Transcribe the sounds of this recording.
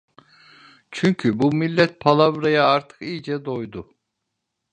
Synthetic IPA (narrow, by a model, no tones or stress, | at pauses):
t͡ʃʰyɲcʰybumilʲːɛt̪̚pʰalˠavɾajaaɾt̪ʰɯ̥kijd͡ʒɛd̪o̞jd̪ʊ